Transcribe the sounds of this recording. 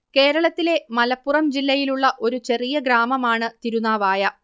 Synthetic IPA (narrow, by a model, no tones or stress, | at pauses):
ke̞ːɾɐɭɐt̪ːile̞mɐlɐpːurɐmd͡ʑilːɐjiluɭːɐʔo̞ɾut͡ɕe̞rijɐɡɾaːmɐmaːɳɨt̪iɾunaːʋaːjɐ